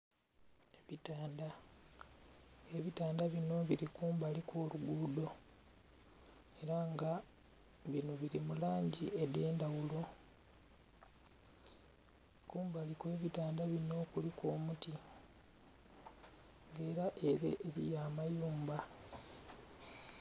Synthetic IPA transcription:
eβitaːnda | eβitaːndaβino̞βiɾikuːmbalikʰoːluɡuːdo̞ | e̞ɾaŋɡa | βinoβiɾimulaːɲɟiʔe̞de̞ːndawulo̞ | kuːmbalikwe̞βitaːndaβino̞kuliko̞ːmuti | ŋɡe̞ːɾaʔe̞ɾe̞̰ʔːɾḭjaːmajuːmba

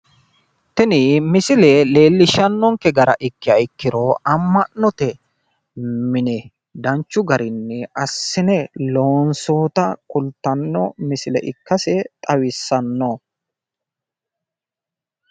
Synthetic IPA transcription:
t̪ɛnɪmɪsɪlɛle̞ːlːɪʃɐnːɔŋkɛɡɐɾɐ̰ʔɪkːɪɐjɪkːɪɾoʔɐmːɐʔnɔt̪ɛ | mɪnɛ | d̪ɐnt͡ʃːʊɡɐɾɪnːɛɐsːɪnɛloːnso̞ːt̪ɐkʼʊlt̪ːɐnːɔ̰mɪsɪlɛ̰ʔɪ̰kːɐsɛt̪ʼɐwɪsːɐnːo

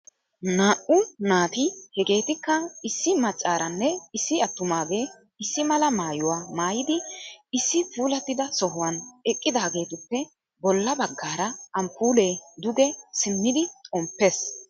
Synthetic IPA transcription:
naːʔʊnaːt̪ɪhɛɡe̞ːt̪ɪkːɐɪsːɪmɐt͡ʃʼːaːɾɐnːɛɪsːɪɐt̪ːʊmaːɡeː | ɪsːɪmɐlɐmaːjʊwaːmaːjɪd̪ɪɪsːɪpuːlɐt̪ːɪd̪ɐsɔɦʊwɐnɛkʼːɪd̪aːɡe̞ːt̪ʊpːɛ | bɔlːɐbɐɡːaːɾɐɐmpuːle̞ːd̪ʊɡɛsɪnːɪd̪ɪt̪ʼɔmpːes

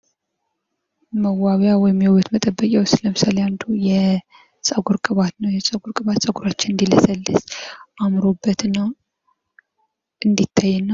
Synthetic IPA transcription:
məwaβjawɔjɪmːiwowət̪mət̪ʼəbːəkʼjawsɨləmsaljand̪ujɛ | sʼəɡuɾkʼɨβat̪nəwjɛsʼəɡuɾkʼɨβat̪sʼəɡuɾat͡ʃːɪnɨnd̪iləsəlːɨsʔamɾo̞bːət̪ɨnːa | ɨnd̪it̪ʰːajːɛnːa

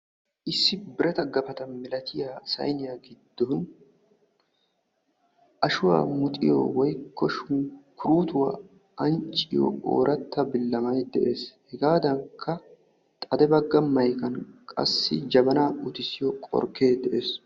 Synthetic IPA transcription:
ʔɪsːɪbɪɾɐt̪ɐɡɐfɐt̪ɐmɪlɐt̪ʰɪjaːsɐ̰jnɪjaɡɪd̪ːɔʊn | ʔɐʃʊwa̰ːmʊt̪ʼɪ̰jo̰wɔjkʰːɔʃʊkʰʊɾuːt̪ʊwa̰ | ʔɐnt͡ʃʼɪjo̰o̰ːɾɐt̪ːɐbɪlːɐmɐjd̪ɛʔe̞ːshɛɡaːd̪ɐŋkʰːɐ | t̪ʼɐd̪ɛbɐɡːɐmɐjkɐnkʼɐ̰sːɪd͡ʒɐbɐnaːʊt̪ɪsɪjɔkʼɔ̰ɾkʰe̞ːd̪ɛʔe̞ːs

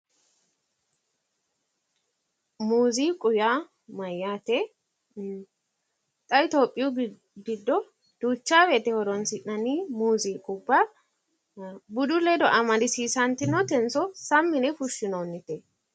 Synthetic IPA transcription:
muːziːkʼʊjaː | mɐjːaːt̪ɛ | t̪ʼɐɪt̪oːpʼːɪjʊ | ɡɪd̪ːɔ | d̪̥uːt͡ʃːaːwɛːt̪ɛhɔɾɔnsɪʔnɐniːmuːziːkʼʊbːa | bʊd̪ʊlɛd̪ɔʔɐmɐd̪ɪsiːsɐnt̪ɪnɔt̪ɛnsɔsɐmːɪnɛfʊʃːɪnoːnːɪt̪ɛ

